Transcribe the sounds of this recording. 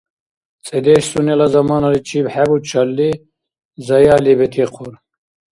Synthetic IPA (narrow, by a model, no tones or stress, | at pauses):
t͡sʼed̪eːɕsunelɐzɐmɑːnɐlit͡ʃʰiːbhebut͡ʃʰɐlːi | zɐjaːlibet̪ʰiqʰuɾ